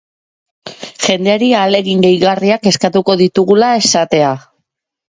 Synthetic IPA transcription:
ʝe̞nd̪e̞aɾiale̞ɣiŋɡejɣariake̞skat̪uko̞ðit̪uɣulae̞sat̪e̞a

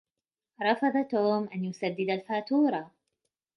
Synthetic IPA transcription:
ɾˤɑfɑðˤat̪oːmʔanjʊsad̪ːɪd̪alfaːt̪uːɾˤɑ

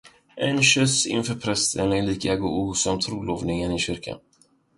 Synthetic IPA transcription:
ʔɛnɕœsɪ̰nfœːɾpʰɾɛst̪ʰənɛliːkɛːɡʊʔuːsɔmt̪ʰɾuːloːvnɪŋənɪɕʏɾkʰa̰n

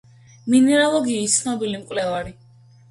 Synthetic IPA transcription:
minɛɾalˠɔɡiːst̪sʰnɔbilimkʼwlɛvaɾi

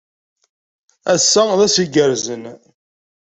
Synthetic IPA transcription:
æsːæðæsiɡəɾzən

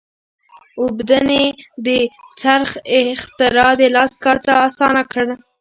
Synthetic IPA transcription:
ʊbd̪aned̪ət͡saɾxɪxt̪ɪɾɑd̪əlɑskɑɾt̪aːsɑnakəɽ

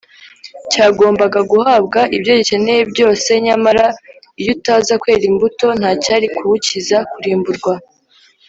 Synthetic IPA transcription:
caːɡo̞ːmbaɡaɡuhabɡaʔibɟo̞βice̞ne̞jebɟo̞ːse̞ɲamaɾa | ijutazakwe̞ːɾimbuto̞n̥haːcaːɾikʰuβucizakuɾiːmbuɾɡwa

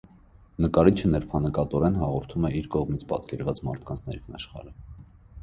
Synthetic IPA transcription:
nəkɑɾit͡ʃʰənɛɾpʰɑnəkɑt̪ɔɾɛnɦɑʁɔɾt̪ʰumɛiɾkɔʁmit͡sʰpɑ̰t̪kɛɾvɑt͡smɑ̰ɾt̪ʰkʰɑnt͡sʰnɛ̰ɾkʰnɑ̰ʃχɑ̰ɾə

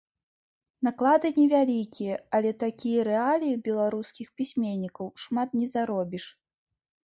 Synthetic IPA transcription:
naklˠad̪ɨnʲɛvʲalʲikʲijɐɐlʲɛt̪akʲijɐɾɛalʲijibʲɛlˠaɾuskʲixpʲisʲmʲenʲːikɐwʂmat̪nʲɛzaɾɔbʲiʂ

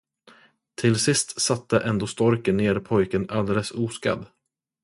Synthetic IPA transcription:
t̪ʰɪlsɪst̪sat̪ːəʔɛnd̪oːst̪ɔɾkənːeːɾɪpʰɔjkənald̪eːləsuːska̰d̪

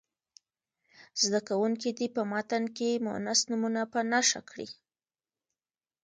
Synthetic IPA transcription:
zd̪akawuŋk̬id̪ipəmɑt̪ankemʊ̰nasnumunapənaʃa̰kɽḭ

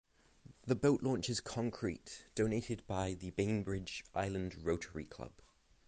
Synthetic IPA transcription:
ðəbəʊʔlʔɔ̃ˑnt͡ʃɪz̥kʰɒ̃ŋkʰɹ̥iˑʔd̥oʊ̃neɪtʰɪd̚baɪðəbẽɪ̃ŋbɹɪd͡ʒʔaɪlə̃ndɹəʊtʰəɹḭkʰl̥ʌ̰b̥

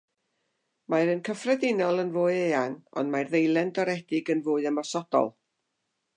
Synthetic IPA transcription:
majɾənkʰəfrɛdɪnɔlˠənvoːɨeːanɔ̰ndmarðejlˠɛndɔɾɛdɪɡənvoːɨəmɔsɔd̥ɔ̰lˠ

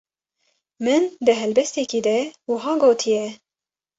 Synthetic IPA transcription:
mɨnd̪ɨɦɛlbɛst̪eːkiːd̪ɛwʊɦɑːɡoːt̪ʰijɛ

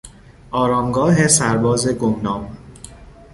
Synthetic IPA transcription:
ʔɒːɾɒːmɡɒːɦesæɾbɒːze̞ɡomnɒːm

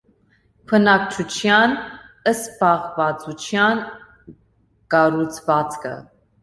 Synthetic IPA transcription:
pʰənɑk̚t͡ʃʰut͡ʃʰjɑn | əst̪pɑʁvɑt͡sut͡ʃʰjɑn | kɑɾut͡sʰvɑt͡skʰə̰

